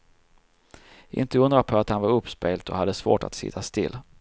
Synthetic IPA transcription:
ʔɪ̰nt̪əɵnd̪ɾapʰɔat̪hanvaɾɵpːspeːɡlt̪ɔ̰had̪ːəsvo̰ːʈa̰t̪sɪ̰t̪ʰːast̪ɪlː

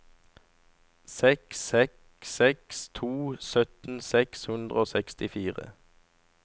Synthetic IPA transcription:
sɛksɛk | sɛkst̪ʰuːsœt̪n̩sɛkshʉnd̪ʁəoːsɛkst̪ɪfiːʁə̰

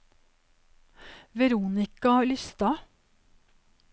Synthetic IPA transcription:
ʋɛɾuːnɪkɑlʏst̪ɑ

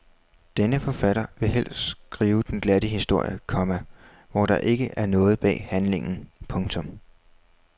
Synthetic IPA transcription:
d̥enəfɒ̽fæɾɐʋe̝ɦel̰sɡ̥ʁiːʊd̥enɡ̥lædəhisd̥o̝ɐ̰jəkʰɒ̽mæ | ʋɒɾ̥ɑ̈ʔe̝ɡ̥əʔæɐnɔ̽ːð̩ˠb̥ɛ̰ːhænle̝ŋn̩pʰɔ̽ŋt͡sʰɔ̽m

